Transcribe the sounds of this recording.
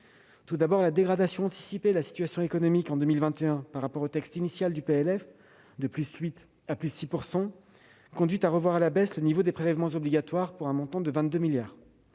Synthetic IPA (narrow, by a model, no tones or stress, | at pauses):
t̪ud̪abɔʁlad̪eɡʁad̪asjɔ̃ɑ̃t̪i̥sipelasi̥t̪ɥasjɔ̃ekɔnɔmikɑ̃d̪ømilvɛ̃t̪eɛ̃paʁːapɔʁot̪ɛkst̪inisjald̪ypeɛlɛf | d̪əplysɥit̪ | aplyssipuʁsɑ̃ | kɔ̃d̪ɥit̪aʁəvwaʁalabɛslənivod̪epχelɛvmɑ̃zɔbliɡʲat̪waʁpuʁɛ̃mɔ̃t̪ɑ̃d̪əvɛ̃t̪̚d̪ømiljaːʁ